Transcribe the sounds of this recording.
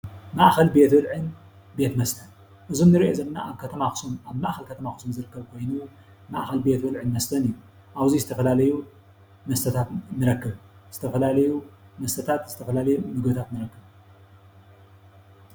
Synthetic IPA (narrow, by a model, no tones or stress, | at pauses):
maʔxɐlbe̞t̪wɨlʕɨn | be̞t̪mɐst̪ʰɐn | ʔɨzunnɨɾiʔezɐnnaʔaβkʰɐt̪ʰɐmaxɨ̥sumaβmaʔxɐlkʰɐt̪ʰɐmaxɨ̥sumzɨɾɨkːɐβkʰo̞jnu | maʔxɐlbe̞t̪bɨlʕɨnmɐst̪ʰɐnɨjːu | ʔaβzizɨt̪ʰɐfɐlalɐju | mɐst̪ʰɐt̪ʰat̪nɨɾɐkːɐβz̥ɨt̪ʰɐfɐlalɐjumɐst̪ʰɐt̪ʰat̪zɨt̪ʰɐfɐlalɐjumɨɡbɨt̪ʰat̪nɨɾɐkːɐβ